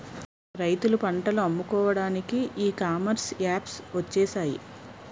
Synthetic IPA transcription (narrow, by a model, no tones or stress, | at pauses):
ɾɐjt̪ulupɐɳʈɐluɐmːukɔːʋɐɽaːnikiʔiːkaːmɐɾsaːpsʋɐt͡ʃːɛːʃaːjḭ